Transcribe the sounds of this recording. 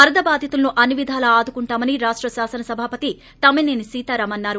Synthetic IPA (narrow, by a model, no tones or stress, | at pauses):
ɐɾɐd̪ɐbaːd̪ʱɐt̪ulnuʔɐniʋid̪ʱaːlɐaːd̪ukuɳʈaːmɐniɾaːʂʈɾɐsaːsɐnɐsɐbʱaːpɐt̪i | t̪ɐmeːneːnisiːt̪aːɾɐmɐnːaːɾu